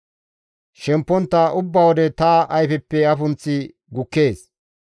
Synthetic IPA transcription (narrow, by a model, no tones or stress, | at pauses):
ʃɛmpːɔnt̪ːɐʔʊbːɐwɔd̪ɛt̪ɐːʔɐjfɛpːɛɐfʊnt͡sːɪ | ɡʊkːe̞ːs